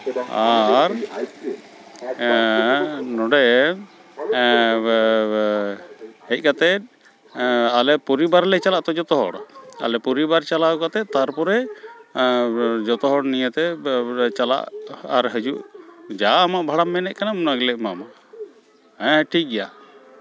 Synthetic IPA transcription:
aɾ | nɔɽɛ | ɛc̚kat̪ɛt̪̚ | alɛpɔɾibaɾlɛt͡ʃalaʔt̪ɔd͡ʒɔt̪ɔɦɔɽa̰lɛpɔɾibaɾt͡ʃalawkat̪ɛt̪aɾpɔɾɛ | d͡ʒɔt̪ɔɦɔɽnijət̪ɛt͡ʃala̰ʔaɾɦəd͡ʒuʔd͡ʒaːmaʔbʱaɽamːɛnɛʔ̚kananaɡlɛʔmamaʔ | ɛʈʰik̚ɡɛja

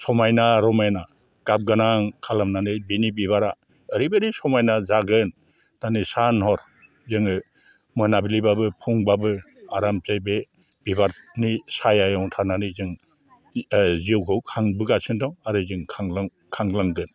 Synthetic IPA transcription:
sɔmajnaɾɔmajna | ɡ̥ap̚ɡanaŋkʰalamnanɯjbinibiβaɾa | əɾibeɾisɔmajnazaɡɯn | tanisanɦɔɾ | zɯŋɯ | mɔnabilibabɯpʰuŋbabɯ | aɾamzajbe | b̥ibaɾnisajajɔŋtʰananɯzɯŋ | ziɯwkʰɯwkʰaŋbɯɡasɯndɔŋaɾɯzɯŋkʰaŋŋ | kʰaŋlaŋɡɯn

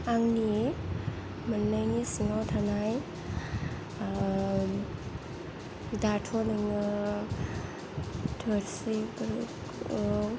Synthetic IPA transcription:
aŋni | mənːəjnisiŋawtʰanaj | datʰɔnɯŋɯ | tʰɯɾsik

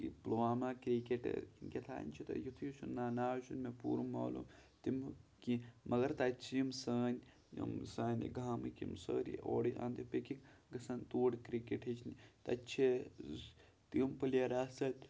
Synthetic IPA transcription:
kiplʋaːmakɾikeʈkiɡʲet̪ʰa̰ːnʲt͡ʃʰit̪ɐ̰jit̪ʰujusʰunːaːnaːsunmepṵːɾumːa̰ːlṵmt̪imkimɐɡɐɾt̪ɐt͡ʃʰimsəːnʲ | jɐ̰msaːnʲḭɡʱaːmɨkḭmsə̰ːɾḭʔoːɽiʔã̰ːnd̪ipekikɡɐsɐnt̪uːɽkɾikeːʈet͡ʃʰnit̪ɐt͡ʃʰe | t̪impɐlijɐɾaːsɐt̪ʲ

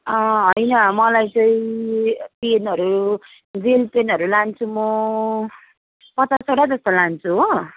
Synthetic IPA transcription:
ʌɦʌjnʌmʌlajt͡sʌĩ | penʌɾu | d͡zelpenʌɾulant͡sʰumʌ | pʌt͡sat͡soɽad͡zʌst̪olant͡sʰuɦo

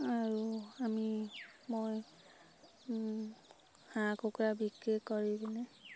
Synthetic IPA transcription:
aɹuamimoj | hãkukɔɹabikɹikɔɹid̪inɛ

